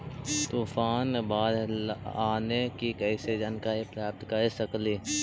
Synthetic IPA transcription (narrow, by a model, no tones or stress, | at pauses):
t̪uːfaːnbaːd̪aːnekikəɪsed͡ʒankaːipɾjaːp̚t̪kɐɾsɐkliː